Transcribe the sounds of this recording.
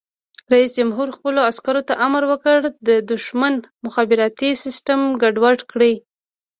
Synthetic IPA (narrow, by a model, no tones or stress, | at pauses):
ɾaisd͡ʒamɦuɾxpəloaskaɾot̪aʔamɾwəkəɽd̪əd̪ʊʃmanmʊxɑbɪɾɑt̪isɪsʈamɡaɖwaʈkɽi